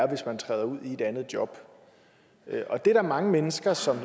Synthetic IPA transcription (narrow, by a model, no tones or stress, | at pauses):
ɐʋe̝smænt͡sʰʁɛ̰ːðˠɐuð̞̰ˠie̝d̥ænð̞̩ˠd̥jɒ̽b̥ | øʔɒ̽d̥e̝dɑɐmɑ̈ŋəmenəsɡ̥ɐsɒ̽m